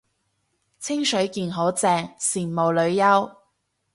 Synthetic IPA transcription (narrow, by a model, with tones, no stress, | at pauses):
t͡sʰɪ˥ŋsɵ˨˥ɥkiː˨˧nɦo˨˥wt͡sɛː˧ŋsiː˨˩mmo˨wlɵ˨˧ɥjɐ˥w